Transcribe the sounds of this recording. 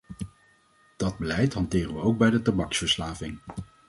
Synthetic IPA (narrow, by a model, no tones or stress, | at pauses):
d̥ɑd̚bəlɛjtɦɑntɪːrənʋəowk̚bɛjdətabɑksfəɹslaːvɪŋ